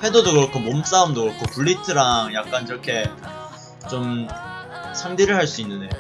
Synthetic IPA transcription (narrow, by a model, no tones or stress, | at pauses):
ɸe̞dodokɯɾʌkʰomoms͈aumdokɯʌkʰopuɭːitʰɯɾaŋjak̚k͈ankiɾʌkʰe̞ | t͡ɕom | sʰaŋdiɾɯɭɦaɭs͈uinːɯnde